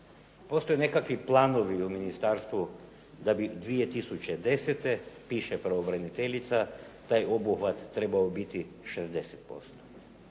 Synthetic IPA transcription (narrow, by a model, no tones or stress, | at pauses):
po̞st̪o̞jene̞kakʋiplˠaːno̞ʋiuminist̪aɾst̪ʋu | d̪abid̪ʋijet̪isut͡ɕed̪e̞set̪e̞piːʃepɾaobɾanit̪eʎit̪sa | t̪aːjo̞buxʋat̪ːɾe̞baobit̪i | ʃezd̪e̞set̪̚po̞̰st̪o̥